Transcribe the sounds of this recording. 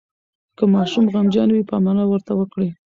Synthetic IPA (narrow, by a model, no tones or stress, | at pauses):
kəmɑʃumɣamd͡ʒɑnwipɑmɑnɑwəɾt̪awəkɽi